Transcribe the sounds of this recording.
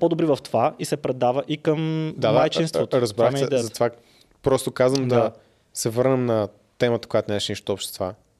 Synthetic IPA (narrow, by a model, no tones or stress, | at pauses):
pɔd̪obɾivɐft̪ovaisɛpɾɛd̪avəʔikəmd̪ad̪ajt͡ʃint̪vot̪ɾɐzbɾaxɛɛzɐtt̪ova | pɾɔst̪okazvəmd̪ɐ | sɛvɤɾnɛmnɐ | t̪ɛmət̪ə̥kojat̪onʲaɛʃɛniʃt̪oɔpʃt̪st̪ova